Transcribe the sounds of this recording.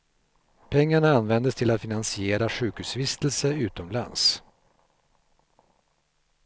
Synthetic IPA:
pʰɛŋːaɳaanvɛnd̪əst̪ʰɪlat̪fɪnansɪeːɾaɧʉ̟ːkhʉːsvɪst̪əlsəʉ̟ːt̪ɔmla̰ns

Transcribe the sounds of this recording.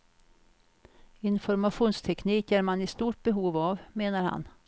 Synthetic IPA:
ɪnfɔɾmaɧuːnst̪ʰɛkniːkæɾmanɪst̪uːʈ̚bɛɦuːvavmeːnaɾha̰n

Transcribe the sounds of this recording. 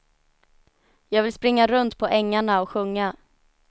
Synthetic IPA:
jɑːɡvɪlspɾɪŋːaɾɵnt̪pʰɔʔɛŋːaɳaɔkɧɵŋːa

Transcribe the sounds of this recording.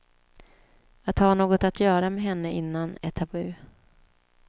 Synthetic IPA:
at̪haɳoːɡɔt̪at̪jœːɾamɛɦɛnːəɪnːanɛt̪ʰːabʉː

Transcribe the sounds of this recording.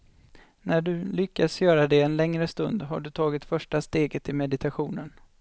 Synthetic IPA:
næɖɵlʏkːasjœːɾad̪ɛɛnlɛŋɾəst̪ɵnd̪ɦa̰ɖɵt̪ʰɑːɡɪt̪fœʂʈast̪eːɡət̪ʰɪmɛd̪ɪt̪ʰaɧuːnən

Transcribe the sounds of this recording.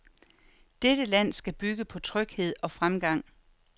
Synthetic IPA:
d̥ed̥əlæn̰sɡ̥æb̥yɡ̥əpʰɒ̽t͡sʰʁœɡ̥he̝ð̞̰ˠɒ̽fʁamɡ̥ɑ̈ŋ̰

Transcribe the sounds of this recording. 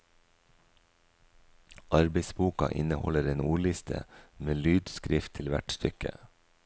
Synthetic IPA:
ʔɑɾbeɪsbuːkɑʔɪ̰nəhɔləɾeːnuːɭɪst̪ʰə̰meːlyːd̪skɾɪft̪ʰɪlʋæ̰ʈst̪ʏkə̰

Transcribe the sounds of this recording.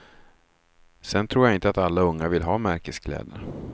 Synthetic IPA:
sɛnt̪ʰɾuːɾjaɪnt̪əat̪alːaɵŋːavɪlɦɑːmæɾkəskʰlɛ̰ːd̪əɾ

